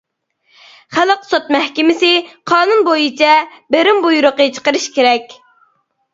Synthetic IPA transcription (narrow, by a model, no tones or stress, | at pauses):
χælˠəqsot̪̚mɛhkʲɪmɪsɪqʰɑːnunbojit͡ʃʰɛbɪɾɪmbujuɾʊqət͡ʃʰə̥qəɾɨʃkʲeɾɛkʲ